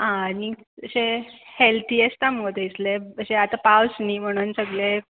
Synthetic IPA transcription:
ɦãni | əɕehelt̪ʰiːəst̪amod̪ʱeisleəseat̪apawsnim̤əɽ̃uːnsəɡɭe

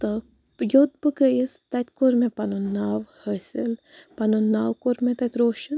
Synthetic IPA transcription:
t̪ə | jot̪̚bɨkəist̪ɐt̪ʲkoɾmẽpanonaːwhəsil | panonaːwkoɾmẽt̪ɐt̪ʲɾoːʃɐn

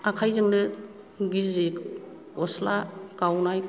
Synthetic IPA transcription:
akʰajzɯŋdɯ | ɡizik | ɔslakawnaj

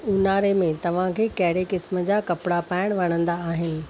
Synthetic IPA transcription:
ʊnaːɾemẽt̪ɐʋ̤ãkʰeːkɐɦɪɽekɪsmə̆d͡ʑaːkɐpɽapaːɪɽ̃ʋɐɽ̃ə̃nd̪aːɦɪnɪ̆

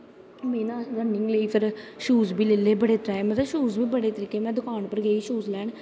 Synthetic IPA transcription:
mẽːnãːɾənɪŋɡleiːpʰɪɾʃuːzbiːleːleːbəɽeːt̪əɾaːmət̪əʃuːzbiːbəɽeːt̪əɾiːkeːmɛ̃ːd̪ʊkʰaːɳpəɾɡɛːiːʃuːzlɛːɳ

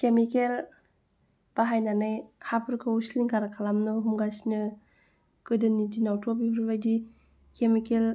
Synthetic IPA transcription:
kemikel | b̥aɦajnanajhapʰɯɾkʰɯusliŋkaɾakʰalamnɯɦumɡasinɯ | kɯdɯnidinawtʰɔbibʰɯɾbajdi | kemikel

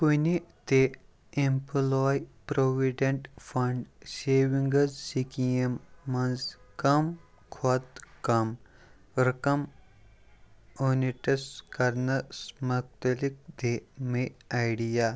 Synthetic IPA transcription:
kunit̪e | emplɔːjpɾoːʋiɖɐ̃ɳʈfʰɐ̃ɳɖseːʋiŋɡɐzsikijɐmːɐnzkɐm | kʰot̪kɐm | ɾɐkɐm | oːniʈɐskɐɾnɐsmɐk̚t̪ɐlik̚d̪emeajɖijaː

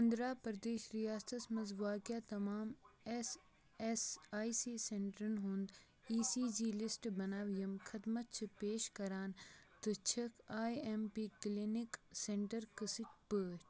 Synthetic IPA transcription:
ɐ̃nd̪ɾaːpɾd̪eːʃɾijaːst̪ɐsmɐzʋaːkjat̪ɐmaːmes | esaːisiːsẽɳʈɾənɦũnd̪ | iːsiːd͡ʒiːlɪsʈbɐnaːʋijɐmkʰɐd̪mɐt̪̚t͡ʃʰipeːʃkɐɾaːnt̪ət͡ʃʰɐkʰaːiempiːklinɪksẽɳʈəɾkəsɪʈ̚pəːʃʈ

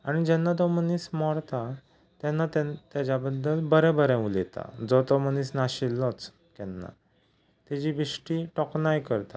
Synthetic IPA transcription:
aɽ̃id͡ʑɛnːat̪̬ɔməniːsmɔɽt̪a | t̪ɛnːat̪t̪jad͡ʑabəd̪ːəlbəɾɛbəɾɛ̃ulet̪a̰d͡zɔt̪ɔməniːsnaɕilːɔt͡s | kɛnːa̰ | t̪ɛd͡ʑibiʂʈiːʈɔknajkəɾt̪a̰

